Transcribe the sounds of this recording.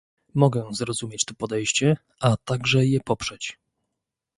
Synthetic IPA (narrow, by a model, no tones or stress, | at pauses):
mɔɡɛzɾɔzumʲjet͡ɕt̪ɔpɔd̪ɛjɕt͡ɕɛ | ʔat̪aɡʐɛjɛpɔpʂɛt͡ɕ